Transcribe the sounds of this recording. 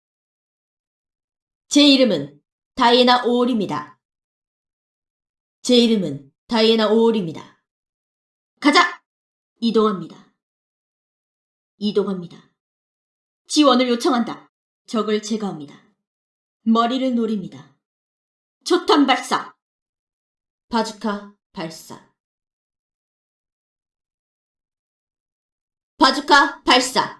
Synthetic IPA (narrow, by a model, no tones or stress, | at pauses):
t͡ɕe̞iɾɯmɯn | taienaʔoɾimɲida̰ | t͡ɕe̞iɾɯmɯn | taienaoɾimɲida̰ | kad͡ʑa | idoŋɦamɲida | idoŋɦamɲida | t͡ɕiwʌnɯɭjot͡ɕʰʌŋɦanda | t͡ɕʌɡɯɭt͡ɕe̞ɡaɦamɲida | mʌɾiɾɯɭnoɾimɲida | t͡ɕʰotʰanbaɭs͈a̰ | pad͡ʑukʰa | paɭs͈a̰ | pad͡ʑukʰapaɭs͈a̰